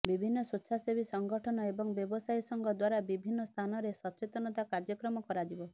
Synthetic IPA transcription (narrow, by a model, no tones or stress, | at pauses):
bibʱinːɔsutːʃʰasebisɔŋɡɔʈʰɔnɔebɔŋbjɔbɔsajsɔŋɡʱɔd̪waɾabibʱinːɔst̪ʰanɔɾesɔt͡ʃet̪ɔnɔt̪akaɾd͡ʒɔkɾɔmɔkɔɾad͡ʒibɔ